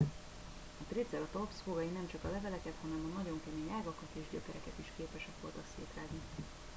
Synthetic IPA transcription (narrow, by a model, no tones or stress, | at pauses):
ɒt̪reːd̪zɛlɒt̪opsfoɡɒjinɛmt͡ʃɒkɒlɛvɛlɛkɛt̪hɒnɛmɒnɒɟo̞ŋkɛmeːɲaːɡɒkɒt̪eːʒɟøkɛɾɛkɛt̪iʃkeːpɛʃɛkʋo̞lt̪ɒksḛːt̪raːɡni